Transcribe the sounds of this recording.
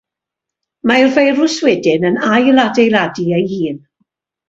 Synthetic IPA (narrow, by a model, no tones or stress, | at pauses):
majrvejrʊswɛdɪnənajladejlˠadiejhiːn